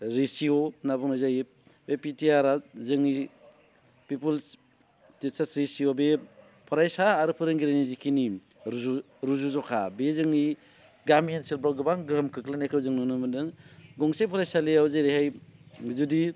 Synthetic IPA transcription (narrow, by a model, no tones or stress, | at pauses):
ɾesionabɔŋnɔjzaji | bepitiaɾazɯŋni | pipuls | tisasɾesiobe | pʰɔɾajsaːɾɯpʰɯɾɯŋɡiɾanizikʰini | ɾ | ɾuzuzɔkʰa̰bezɯŋni | ɡamiensilbɾaɡɯbaŋɡɯɦmkʰɯklanekʰɯwzɯŋnɔnɯmɯndɯŋɡɔŋsejpʰɔɾajsaleawzejɾeɦajzudi